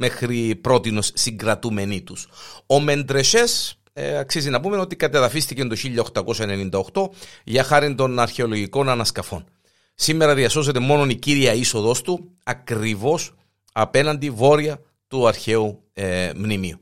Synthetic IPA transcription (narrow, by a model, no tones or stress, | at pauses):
me̞xɾipɾo̞t̪ino̞sːiŋɡɾɐt̪ume̞nit̪uso̞me̞nd̪ɾe̞ʃe̞s | ɐksizinɐpume̞ot̪ikɐt̪eðɐfist̪icent̪o̞çiʎːɐo̞xt̪ɐko̞sɐene̞nind̪ɐo̞xt̪o̞ʝɐxɐɾind̪o̞nɐɾçe̞o̞lo̞ʝiko̞nɐnɐskɐfo̞n | simːe̞ɾɐðiɐso̞s̬e̞t̪e̞mo̞no̞niciɾiɐiso̞ðo̞st̪u | ɐkɾivo̞s | ɐpe̞nɐnd̪ivo̞ɾiɐ | t̪uɐɾçe̞u | mnimiu